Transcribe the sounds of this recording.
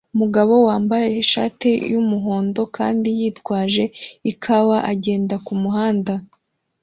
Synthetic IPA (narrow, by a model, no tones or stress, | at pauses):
umuɡaβo̞waːmbaje̞iʃa̰ːtejumuɦo̞ːndo̞ka̰ːndijiːtɡwaːʒe̞ikʰaβaʔaɟe̞ːndakumuɦaːnda